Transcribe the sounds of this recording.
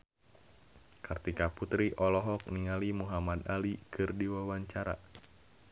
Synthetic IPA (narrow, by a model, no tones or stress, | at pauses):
kʰɨrt̪ikaput̪ɾiʔɔlɔɦɔk̚niŋalimuɦamad̪alikʰɨrdiwawaɲt͡ʃaɾa̰